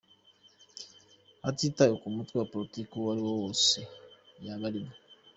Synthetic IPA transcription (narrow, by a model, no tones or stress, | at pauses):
atitajokumutapɾotikuwaɾiwɔwosejaɡaliba